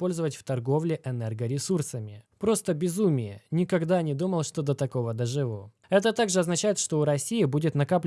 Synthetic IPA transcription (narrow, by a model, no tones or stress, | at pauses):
po̞lʲzəvətʲft̪ɐrɡo̞vlʲɪʔɛnɛrɡəɾʲɪsursəmʲɪpɾo̞st̪əbʲɪzumʲɪjə̰nʲɪkɐɡd̪anʲɪd̪uməlˠʂt̪o̞d̪ət̪ɐko̞vəd̪əʐɨvo | ɛt̪ət̪aɡʐɨɐznɐt͡ɕæjɪt̪ʂt̪o̞ʊɾɐsʲijɪbudʲɪt̪nɐkapʲ